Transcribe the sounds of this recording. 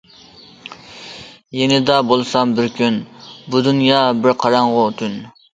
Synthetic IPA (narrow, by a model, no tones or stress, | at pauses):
jenɪd̪ɑbolˠsɑmbɪɾkʲynbud̪unjɑbɪɾqʰɑɾɑɴʁʊt̪ʰyn